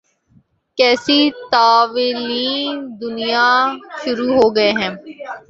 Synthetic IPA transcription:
kɛːsit̪aːʋɪliːnd̪ʊnijaʃʊɾuɦoːɡɐeɦɛ̃ː

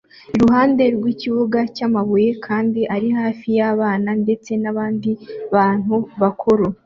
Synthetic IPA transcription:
iɾuɦaːnde̞ɾɡwiːciβuɡacamaβuje̞kʰaːndiʔaɾihaːfijaβaːnande̞t͡se̞naβaːndiβaːn̥huβakʰoɾo

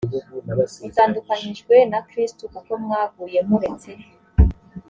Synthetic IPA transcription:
itaːndukaɲiʒɡwe̞nakɾistukakomŋaːɡuːje̞muɾet͡se

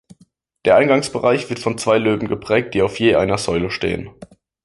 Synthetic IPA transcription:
d̥eːɐʔaɪnɡaŋsb̥əʁaɪçv̥ɪɐtfɔnt͡sv̥aɪløːbm̩ɡəpʁ̥ɛːk̚t̚d̥iːaʊfjeːʔa̰ɪnɐzɔʏləʃtḛːə̰n

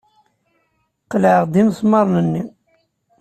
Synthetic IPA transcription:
qlʕəʁd̪imsˤmɑɾˤnənːi

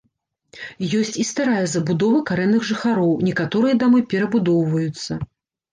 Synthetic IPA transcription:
jɔsʲt͡sʲist̪aɾajɐzɐbud̪ɔvɐkaɾɛnːɨɣʐɨxaɾɔwnʲɛkat̪ɔɾɨjɐd̪amɨpʲɛɾɐbud̪ɔwvɐjut̪sːɐ

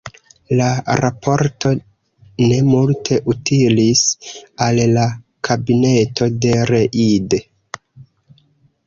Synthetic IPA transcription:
laɾapʰo̞ɾto̞ | ne̞multʰe̞ʔutilisalːa | kʰabine̞to̞de̞ɾe̞ʔide

